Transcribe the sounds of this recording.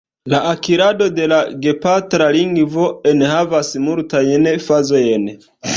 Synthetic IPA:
laʔakiɾado̞de̞laɡe̞patɾaliŋɡvo̞enhavasmultajnfazo̞jen

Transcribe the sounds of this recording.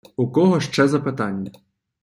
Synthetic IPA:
ukɔɦɔʃt͡ʂɛzɐpɪt̪anʲːɐ

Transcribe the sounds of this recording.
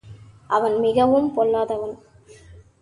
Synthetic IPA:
ʔɐʋɐnmɪɣɐʋɯmpɔɭːaːðɐʋɐn

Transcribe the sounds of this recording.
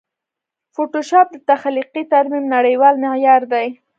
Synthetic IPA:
foʈoʃɑp̚d̪ət̪axliqit̪aɾmimnaɽəjwɑlmɪjɑɾd̪aj

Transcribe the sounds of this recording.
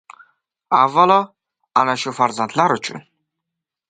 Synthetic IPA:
avalɔ | anaʃufaɾzant̪ʰʼlaɾut͡ʃʰṵn

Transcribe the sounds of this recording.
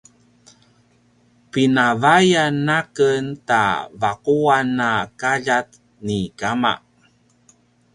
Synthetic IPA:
pinavajanːakənta̰vaquanːakaʎat̪ | nikama̰

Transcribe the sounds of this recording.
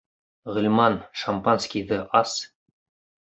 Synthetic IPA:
ʁɘ̆lʲmɑnʃampanskʲiðɤʔɑs

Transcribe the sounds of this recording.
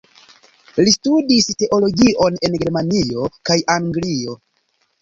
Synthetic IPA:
listudiste̞ʔo̞lo̞ɡiʔo̞ne̞nɡe̞ɾmanio̞kajʔaŋɡlio̞

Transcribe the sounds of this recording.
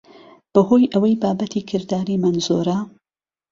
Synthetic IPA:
b̥ɐhoːjʔɐwɐjbaːbɐt̪ʰiːkʰɨɾd̪aːɾiːmanzo̰ːɾɐ

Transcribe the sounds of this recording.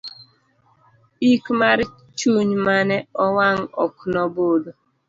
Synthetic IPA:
ikmaɾɪ | t͡ʃuɲmanɛɔwaŋ̩ɔ̰knɔbodo

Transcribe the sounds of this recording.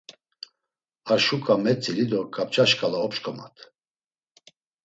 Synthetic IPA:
aʃukʼamɛt͡sʼilid̪ɔkʼap̚t͡ʃʰʼaʃkʼalaɔpʃkʰʼɔma̰t̪ʰ

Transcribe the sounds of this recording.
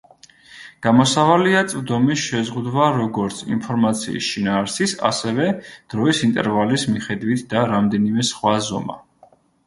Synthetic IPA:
ɡ̥amɔsavaliat̪sʼvd̪ɔmisʃɛzʁud̪waɾɔɡɔɾt̪sʰḭmpʰɔɾmat̪sʰḭḭsʃinaːɾsisa̰sɛvɛd̪̥ɾɔisint̪ʼɛ̰ɾvalismiχɛd̪wit̪ʰd̪aɾamd̪ɛnimɛsχwazɔ̰ma̰

